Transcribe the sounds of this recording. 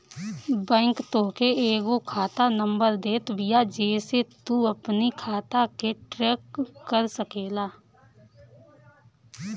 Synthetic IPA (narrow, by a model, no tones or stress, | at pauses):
bɛ̃ːŋkt̪oːkeeːɡokʰaːt̪anə̃mbəɾd̪eːt̪bijad͡ʒeːset̪uəpnikʰaːt̪akeʈɾeːkːəɾsəkeːlaː